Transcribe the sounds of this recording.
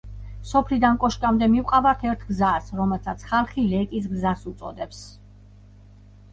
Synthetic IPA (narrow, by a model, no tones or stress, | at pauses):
sɔpʰlid̪ankʼɔʃkʼamd̪ɛmivqʼavat̪ʰɛɾt̪ʰɡzasɾɔmɛlˠsʰat̪sʰχalˠχilɛkʼis̬ɡzasut̪sʼɔ̰d̪ɛps